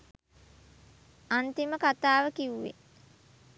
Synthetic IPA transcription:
ant̪iməkat̪aːʋəkiuʋḛ

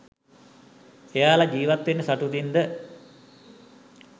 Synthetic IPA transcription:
ejaːlad͡ʒiːʋat̪ʋenːəsaʈut̪ind̪ə

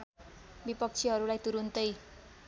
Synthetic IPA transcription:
bipʌk̚t͡sʰiɦʌɾulajt̪uɾunt̪ʌj

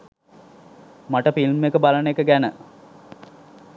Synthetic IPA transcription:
maʈəfilmekəbalənekəɡænə

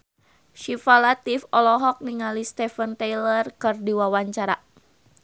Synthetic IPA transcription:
ʃifalat̪ifɔlɔɦɔk̚niŋalist̪ɛfənt̪ɛjlərkɨrdiwawaɲt͡ʃaɾa

